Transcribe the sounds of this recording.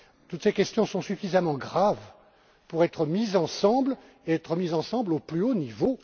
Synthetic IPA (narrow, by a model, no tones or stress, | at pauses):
t̪ut̪sekʲɛst̪jɔ̃sɔ̃syfizamɑ̃ɡʁav | puʁɛt̪χəmizɑ̃sɑ̃bl | eɛt̪χəmizɑ̃sɑ̃bloplyonivo